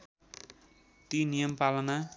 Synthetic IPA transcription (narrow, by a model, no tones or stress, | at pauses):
t̪inijʌmpalʌna